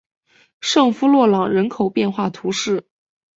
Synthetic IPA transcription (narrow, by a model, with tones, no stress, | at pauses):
ʂɤ˥˩ŋfu˥lwɔ˥˩lɑ˨˩ŋɻə˧˥nkʰo˨˩ʊpjɛ˥˧nxwa˥˩t̪ʰu˧˥ʂɻ̩˥˩